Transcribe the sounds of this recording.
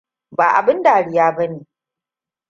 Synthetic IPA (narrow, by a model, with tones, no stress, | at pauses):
baː˨ʔa̰˨bɪ˦nda˨ɽɪ˨jaː˦bɐ˦neː˨